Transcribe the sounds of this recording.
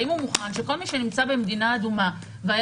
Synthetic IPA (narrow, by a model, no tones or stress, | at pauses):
imumuχanʃe̞ko̞lmiʃe̞nimt͡sabe̞med̪inaːd̪uma | veaj